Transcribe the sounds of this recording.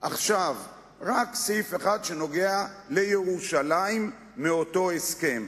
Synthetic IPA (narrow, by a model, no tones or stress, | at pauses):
ʔaχʃav | ʁaksejfeχad̪ʃe̞no̞ɡe̞ale̞jeʁuʃalaimː | eo̞to̞eske̞m